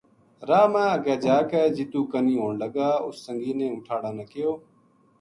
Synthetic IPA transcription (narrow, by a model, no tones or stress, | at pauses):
ɾaːmãːəɡaːd͡ʒaːkɛːd͡ʒɪt̪uːkəniːɦoːɳləɡaːʊ̰sːəŋɡiːnẽːʊ̃ːʈʰaːɽãːnəkɪjoː